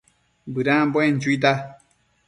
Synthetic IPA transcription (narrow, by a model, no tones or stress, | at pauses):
bɨɾãbẽd͡ʒuita